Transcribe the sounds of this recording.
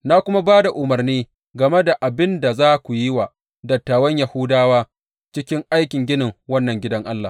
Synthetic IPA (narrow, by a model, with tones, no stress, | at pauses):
na˦kʷʊ˦ma˦baː˦da˨ʔʊ˨mɐ˨rniː˦ | ɡɐ˨me˦da˨ʔa˨bɪ˦nda˨zaː˦kʷu˨jɪ˦wa˨ | dɐ˨tːaː˨wɐ˦ɲja˨hʊ˦daː˦waː˦ | t͡ʃɪ˦kʲɪ˦ŋʔa˦jkʲɪ˨ŋɡʲɪ˦nɪ˨ŋwɐ˦nːɐ˨ŋɡʲɪ˦dɐ˦ŋʔa˦lːa˨